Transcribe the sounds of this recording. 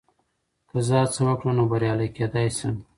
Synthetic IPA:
kəzət͡səwakɽunobaɾjɑlajked̪ɑjsəm

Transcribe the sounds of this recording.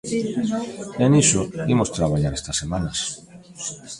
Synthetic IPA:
enisoimost̪ɾaβaʎaɾest̪ɐsːemãnɐs

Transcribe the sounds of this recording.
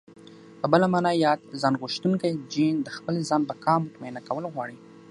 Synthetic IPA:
pəbəlamɑnɑjɑd̪̚zɑnɣʊʃt̪uŋkajd͡ʒind̪əxpəlezɑnbakɑmʊt̪manakawəlɣwɑɽi

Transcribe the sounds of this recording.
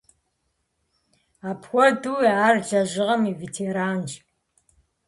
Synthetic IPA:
aːpʰxʷɔduːaːrd͡ʒɐʑɪʁɐmiːvetʰeːɾaːnd͡ʒ

